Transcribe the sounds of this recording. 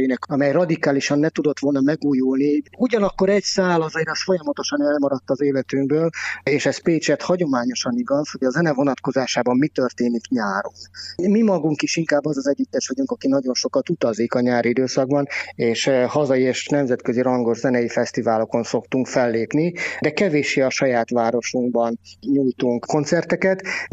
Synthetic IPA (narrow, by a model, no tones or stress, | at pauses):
inɛkɒmɛjrɒd̪ikaːliʃɒnːɛt̪ud̪o̞t̪ʋo̞lnɒmɛɡuːjulniuɟɒnɒkːo̞ɾɛɟsaːlɒzɒiɾɛsfo̞jɒmɒt̪o̞ʃɒnɛlmɒɾɒt̪ːɒzeːlɛt̪yŋɡbøːleːʃɛspeːt͡ʃɛt̪hɒɟo̞maːɲo̞ʃɒniɡɒsho̞ɟɒzɛnɛvo̞nɒt̪ko̞zaːʃaːbɒmmit̪ørt̪eːnikɲaːɾo̰nmimɒɡuŋkiʃiŋkaːbːɒzɒzɛɟːyt̪ːɛʃʋɒɟuŋkɒkinɒɟo̞nʃo̞kɒt̪ut̪ɒzikɒɲaːɾid̪øːsɒɡbɒneːʃhɒzɒjieːʃnɛmzɛt̪køziɾɒŋɡo̞ʒzɛnɛjifɛst̪ivaːlo̞ko̞nso̞kt̪uŋkfɛlːeːpnid̪ɛkɛveːʃeːɒʃɒjaːt̪ʋaːɾo̞ʃuŋɡbɒnɲujt̪uŋkko̞nt̪sɛrt̪ɛkɛt̪